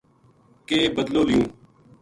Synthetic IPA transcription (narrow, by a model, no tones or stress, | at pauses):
keːbəd̪loːlɪjũː